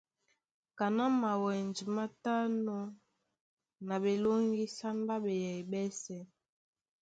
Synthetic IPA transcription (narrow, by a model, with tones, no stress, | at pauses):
ka˨na˦ma˨wɛ˨nd͡ʒi˨ma˦ta˦nɔ˦ | na˨ɓe˨lo˦ŋɡi˦sa˦nda˦ɓɛ˨jɛ˨i˨ɓɛ˦sɛ˦